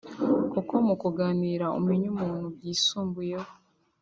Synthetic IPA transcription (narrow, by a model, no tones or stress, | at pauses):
kukomukuɡaːniːɾao̰miɲumuːnhuɡjiːsuːmbuje